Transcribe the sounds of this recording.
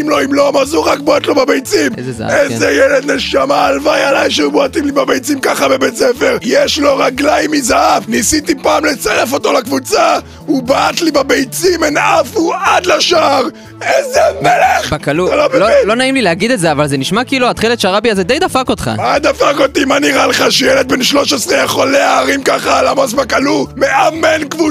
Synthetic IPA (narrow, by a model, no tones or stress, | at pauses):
imlo̞imlomazuʁakbaat̪lo̞babejt͡simḛzeza̰a̰ezejeled̪neʃamaːlvajalajʃeubaat̪imlibabejt͡simkaχabe̞bett͡sefeʁjeʃlo̞ʁaɡlajmizaafnisit̪ipaːmle̞t͡saʁefo̞t̪o̞lakvut͡sa | ubatlibabejt͡simenafuad̪laʃaʁ | ezemeleχbakaluloblolo̞naimlileaɡid̪etzeavalzeniʃmakiːluat̪χilet̪ʃaʁabiazed̪ejd̪afakot̪χa̰ad̪afakot̪imaniʁaleχaʃejelet̪̚benʃlo̞ʃesʁeaχo̞leaːʁimkaχaːlamasbakalume̞ʔamenkvu